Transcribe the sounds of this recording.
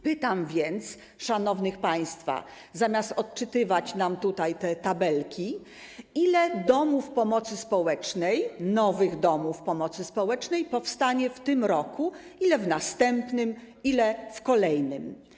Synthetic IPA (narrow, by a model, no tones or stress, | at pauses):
pɘt̪amvʲjɛnt̪s | ʂanɔvnɘxpaj̃st̪fa̰ | zamʲjast̪ɔt̪t͡ʂɘt̪ɘvat͡ɕnamt̪ut̪ajt̪ɛt̪abɛlkʲʰi | ilɛd̪ɔmufpɔmɔt̪sɘspɔwɛt͡ʂnɛjnɔvɘɣd̪ɔmufpɔmɔt̪sɘspɔwɛt͡ʂnɛjpɔfst̪aɲɛft̪ɘmɾɔku | ilɛvnast̪ɛmpnɘm | ilɛfkɔlɛjnɘm